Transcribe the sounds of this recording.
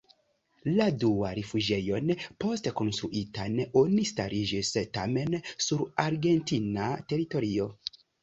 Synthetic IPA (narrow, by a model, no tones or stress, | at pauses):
ladua̰ɾefud͡ʒe̞jo̞npo̞steko̞nstɾuʔitanonista̰ɾid͡ʒista̰me̞nsuɾaɾɡe̞ntinate̞ɾito̞ɾio̞